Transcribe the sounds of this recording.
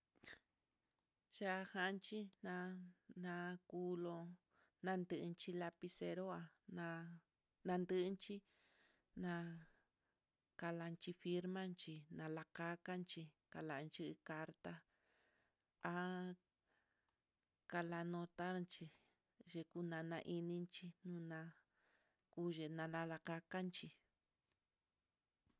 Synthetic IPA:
ʒa˦˧ha˦˧nt͡ʃi˦nã˧nã˧ku˦lo˧ | nã˧nd̪ɨ˧ʔnt͡ʃi˧la˧pi˧se˧ɾo˦a˧nã˧ | nã˧nd̪ɨ˦ʔnt͡ʃi˦ | nã˧ | ka˧la˧nt͡ʃi˧fi˧ɾmã˦nt͡ʃi˧nã˧la˧ka˦ka˦nt͡ʃi˧ | ka˧la˨˧nt͡ʃi˦˧ka˧ɾt̪a˦ | a˧ | ka˧la˧nõ˧t̪a˦˧nt͡ʃi˧ | ʒe˧ku˦nã˧nã˧ʔi˧nĩ˧nt͡ʃi˧nũ˦nã˧ | ku˦ʒe˧nã˧lã˧la˧ka˧ka˦nt͡ʃi˧

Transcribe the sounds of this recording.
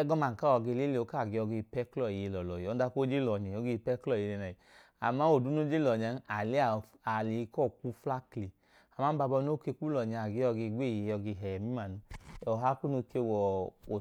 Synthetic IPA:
ɛ˦ɡɔ˦ma˨ŋ̩˨ka˦ɔ˨˧ɡe˧le˦le˨o˧˦ka˦˨ɡe˧ɔ˧ɡe˧pɛ˦klɔ˦˨i˨e˧lɔ˨lɔ˨ji˨ɔ˨˧˦a˧˦ko˦d͡ʒe˦lɔ˨ɲi˨ɔ˨˧˦ɡe˧pɛ˦klɔ˦˨e˧le˧˨na˨i˨ | a̰˨ma˦o˨du˨˦no˦d͡ʒe˦lɔ˨ɲa˧˦a˨le˨˦a˨ | a˨li˨i˧kɔ˦˨ku˦fla˦kli˨ | a˨ma˨˦ba˧bɔ˧no˦ke˧ku˦lɔ˨ɲ˨a˨ɡe˧˦ɔ˧ɡe˧˦ɡ͡be˦˨e˨˧ɔ˧ɡe˧˨ɦɛ˨mi˦ma˨nu˧ɔ˨ɦa˦ku˦no˧ke˧wɔ˨o˨

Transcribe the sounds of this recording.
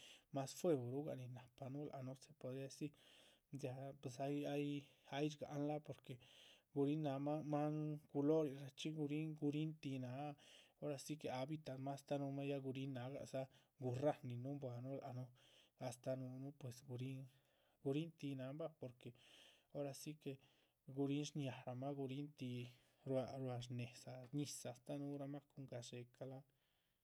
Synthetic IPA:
ma˦sfwe˦˧bo˨ɾu˦ɡa̰˨ʔni˧na˨pa˧nũ˦lʔa̰˧nu˦se̥˨po˧d̪ɾi˦a˧si˦ | da˧pe˨s̬a˧ja˦ja˦jt͡ʃɡa̰˨ʔnla˦po˧ɾke˨ɡu˧ɾi˦na˨˧˦ma˦ma˦ku˧lo˦ɾi˧ɾa˧t͡ʃi˦ɡu˧ɾi˦ŋɡu˧ɾi˦nt̪i˧na˨˧˦o˦ɾa˧si˦ke˧a˨bi˧t̪a˧˨ma˦st̪a˦˧nũ˧ma˦ja˦ɡu˧ɾi˦na˨˧˦ɡa̰˨ʔsa˦ | ɡu˧ra˦nĩ˧nũ˦mbwa˧˨nũ˦la˧nũ˦a˧st̪a˧nũ˧nũ˦pwe˨sɡu˧ɾi˦ŋ | ɡu˧ɾi˦nt̪i˧nã˨˦mba˦po˧˨ɾke˨o˦ɾa˧si˦ke˧ | ɡu˧ɾi˦nʂɲja˨ɾa˨mã˦ɡu˧ɾi˦nt̪i˧ | ɾwa˧ɾwa˧ʐ̬ne˨sa˧ɲĩ˧sa˨˧˨st̪a˦nũ˦ɾa˧mã˦ku˧ŋɡa˧ʂe˧ka˧la˦

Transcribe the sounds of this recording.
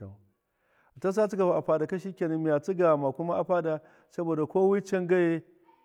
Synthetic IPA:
a˨ | a˨ta˦s̬a˦t͡su˦ka˨ba˨ʔa˨ɸa˦da˨ka˦ʃ̬i˦kʲe˨ne˦mi˦ja˨t͡su˦ɡa˨ma˨ku˦ma˦ʔa˨ɸa˦da˨ | sɐ˦bo˨da˨kʷoː˦wi˦t͡ʃe˦ŋɡa˦je˦

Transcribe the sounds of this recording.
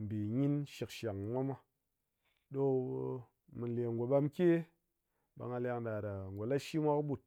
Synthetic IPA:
m̩˨bi˨ɲi˦nʃi˧kʃa˨ŋ˨mʷa˦mʷa˦ | ɗo˦ | mi˨n˨lʲe˨ŋɡo˨ɓa˧mkʲe˦ | ba̰˧ŋa˧lʲa˧ŋda˨da˨ŋɡʷo˨la˦ʃi˦mʷa˦kɓu˦˨t̚

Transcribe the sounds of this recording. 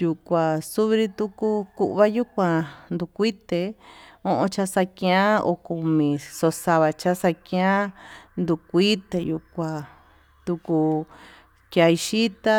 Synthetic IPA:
ju˧kʷã˨su˦βɾi˧t̪u˦ku˦ku˧ʔβa˦ju˦kʷã˧nd̪u˧kʷi˦t̪e˧õ˧ʔõ˧t͡ʃa˧sa˧kj̃ã˦o̰˧ku˧˨mĩ˨so˧sa˧βa˧t͡ʃa˦sa˧kĩ˧ã˦nd̪u˧kʷi˦t̪e˧˨ju˧kʷã˨ | t̪u˧ku˧ | kja˧i˧ʃi˦t̪a˦

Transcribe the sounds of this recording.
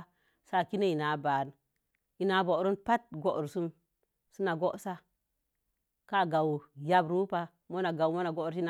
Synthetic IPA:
sa˦˨ki˦ne˦i˨na˨ba˨n | i˨na˨˦bo˨ɾu˦npa˦t̚ɡo˦˨ʔɾsu˦n | su˦na˨ɡo˦ʔsa˦ | ka˦˨ɡa˨wja˦bɾu˦pa˦ | mo˦na˨ɡa˨wmo˦na˨ɡo˦˨ɾi˦na˨

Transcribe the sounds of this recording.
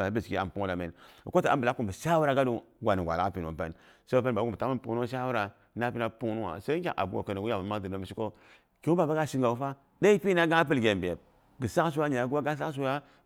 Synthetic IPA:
a˨˦bi˦˨ski˦a̰˨m˨pu˦la˨mḛ˨n˨ko˦ti˨a̰˦m˦bə˨la˦ku˦mbə˨ʃa˦wu˦ɾa˨ɡa˦du˨ɡʷa˨ni˨ɡʷa̰˨la˦pi˨n˨o̰˨mpḛ˦n | so˦p̬e˦n˨˦u˦˨bə˨ta˦mə˦pu˦nu˦a˦ʃ̬a˦wu˦ɾa˨ | na˦pi˦na˨pu˦nu˦wa̰˨sa˦kʲa̰˨ʔa̰˨bu˦o̰˨kə˨ni˨wu˦ja˨ma˨ma˦dɨ˨no˨˦bə˨i˦ko˦ | ko˦u˦ba˨ba˦ɡa˦ʃi˦ŋɡa˨wu˦fa˦ | da˦i˦pi˦na˦ɡã˦pə˦lɡʲe˨m˨bi˨e˨b̚ | ɡə˨sa˦ks̬u˦wa˦ɲa˨a˨˦ɡa˦ɡa˦s̬a˦s̬u˦ja˦

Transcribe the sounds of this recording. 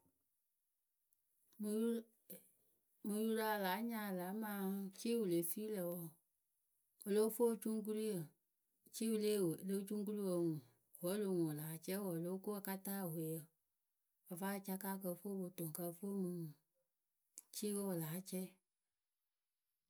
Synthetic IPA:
mɨ̃˧ju˧la˧˦˨laː˨˦ɲã˦˨la˨˦mãː˦t͡ʃiː˦wu˨le˨fi˦lɛ˨wɔ˨ | wo˨lo˦fo˦˨t͡ʃu˦ŋ˦k̬u˦ɾi˦jə˨ | t͡ʃi˦wu˧le˦˨lo˦t͡ʃũ˦ŋ˦k̬u˦ɾi˦wo˧˨ŋũ˨ | wɔ˨˦lo˧ŋũ˨laː˨˦t͡ʃɛ˦wɔ˨lo˦ko˦a˨ka˦taː˦˨we˨jə˨ | ɔ˨fa˦˨t͡ʃa˧kaː˦kə˧˨fo˦bo˨tõ˨ŋ˨ka˧˨fo˦mɨ̃˧˦ŋũ˨ | t͡ʃi˦wo˦wo˨laː˨˦t͡ʃɛ˦

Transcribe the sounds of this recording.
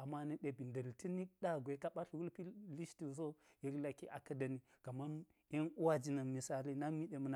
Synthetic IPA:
a˨ma˦ni˦ɗe˨bi˨ndə˨lti˦ni˦ɗa˦ɡʷe˨˦ka˦ɓa˦ɬwu˦lpi˦li˦sti˨s̬o˦je˦ɾla˨ki˦ʔa̰˨kɐ˦da˨ni˦ | ka˨ma˦n | e˦nu˦wa˦d͡ʒi˨na˨mi˨sa˦li˦na˦mi˦ɗe˨mə˦na˨

